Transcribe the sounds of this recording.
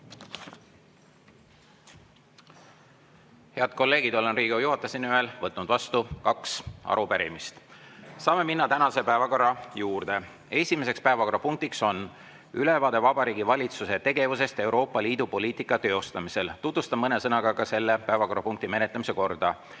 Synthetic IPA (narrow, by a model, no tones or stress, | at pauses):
he̞ɑd̪̥̚ko̞lːe̞ːɡ̥id̪o̞lenriːɡ̥ojuɦɑt̪ːˑɑsinyøelvɤt̪ːˑnud̪̥vɑst̪ukɑksɑ̰ɾupæɾḭmist̪sɑːme̞minːɑt̪ænɑse̞pæevɑko̞rːɑjuːrd̪̥e̞ | e̞sʲime̞se̞kspæevɑko̞ɾɑpuŋk̚t̪ikso̞n | ylevɑːd̪̥e̞vɑbɑɾiːɡ̥ivɑlʲit̪suse̞t̪e̞ɡ̥e̞vuse̞st̪e̞uwɾo̞ːpːɑliːd̪̥upo̞lʲiːt̪ˑikːˑɑt̪ø̞ːost̪ɑmise̞lt̪ut̪vust̪ɑmːɤne̞sɤnɑɡ̥ɑkɑse̞lːe̞pæevɑko̞ɾrɑpuŋk̚t̪ime̞ne̞t̪lemise̞ko̞rd̪̥ɑ